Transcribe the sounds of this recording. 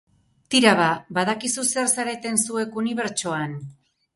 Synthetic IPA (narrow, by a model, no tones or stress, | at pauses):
t̪iɾaβabaðakisuseɾsaɾe̞t̪e̞nsue̞kuniβ̞e̞ɾt͡ʃoan